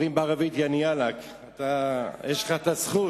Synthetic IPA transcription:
imbaaʁavit̪janialak | at̪ajeʃlχat̪asχu

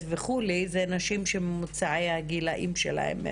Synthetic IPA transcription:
veχulizenaʃimʃeːut͡saʕejhaɡilaʔimʃḛla̰ḛm

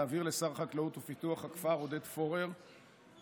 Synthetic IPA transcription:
aːviʁle̞saʁχaklautufituaχhakfaʁodet̪fo̞ʁeʁ

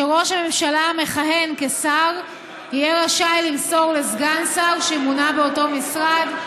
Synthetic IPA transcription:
eʁo̞ʃame̞mʃalame̞χaɦe̞nkesaʁ | ijɛʁaʃajlilso̞ʁle̞zɡansaʁʃemunabeoto̞misʁad

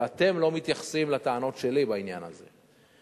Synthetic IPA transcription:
at̪e̞mlo̞mit̪jaχḁsimlat̪aano̞tʃe̞libainja̰na̰zḛ

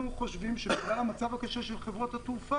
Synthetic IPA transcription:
uχo̞ʃvimʃebiʁaamat͡savakaʃeʃelχevʁo̞that̪ufa

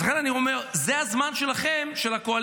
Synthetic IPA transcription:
χenanio̞me̞ʁzehazmanʃe̞laχemʃe̞lakoal

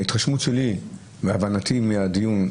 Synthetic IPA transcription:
it̪ʁaʃmutʃeli | veavanat̪imiad̪ijun

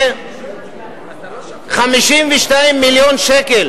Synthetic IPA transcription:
χamiʃimvɛʃtaimːiljonʃekel

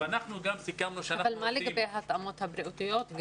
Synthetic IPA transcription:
anaχnuɡamsikamnuʃeaɐlmaːlɪkbeɦat̪amot̪habɾiʔut̪ijot̪ɡ

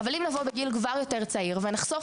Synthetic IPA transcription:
avalimnavobeɡilɡvaʁjo̞teʁt͡saiʁvenaχso̞f

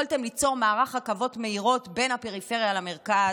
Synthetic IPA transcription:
lte̞mlit͡so̞ʁmaːʁaχhakavo̞tme̞iʁo̞tbe̞nhape̞ʁife̞ʁjalame̞ʁka

